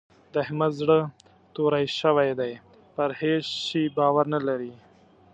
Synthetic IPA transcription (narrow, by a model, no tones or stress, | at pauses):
d̪əhɪmazɽə | t̪oɾajʃəwajd̪aj | pəɾheʃːibɑwaɾnalaɾi